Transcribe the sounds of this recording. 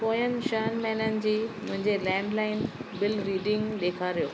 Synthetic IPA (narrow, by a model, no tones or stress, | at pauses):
poːjənɪ̆ʃəɦənmɛːnənɪ̆d͡ʑiːmʊ̃ɦɪ̃ɲd͡ʑelɛ̃ːɳɖlaːɪnbɪlɾiːɖɪ̃ŋɡleːkʰaɾijoː